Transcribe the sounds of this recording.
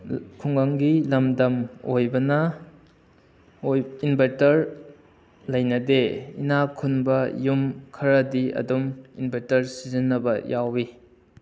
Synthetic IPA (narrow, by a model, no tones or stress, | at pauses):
kʰuŋɡɐŋɡilɐmdɐmojbɐnɐ | ojinbʱeɾtɐɾ | lɐjnɐdeḭnakʰunbɐjumkʰɐɾɐdiɐ̰dumḭnbʱeɾtɐɾsizinːɐbɐjʔawi